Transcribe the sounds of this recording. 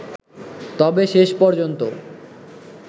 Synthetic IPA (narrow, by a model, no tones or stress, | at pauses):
t̪ɔbeʃeʃpɔɾd͡ʑont̪o